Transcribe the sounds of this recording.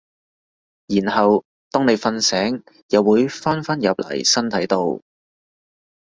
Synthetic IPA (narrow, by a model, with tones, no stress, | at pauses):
jiː˨˩nhɐ˨w | t̪ɔː˥ŋne˨˧jfɐ˧nsɛː˨˥ŋ | jɐ˨˧wːuː˨˥jfaː˥nfa˥njɐ˨p̚lɐ̰˨˩jsɐ˥nt̪ʰɐ˨˥jt̪o˧w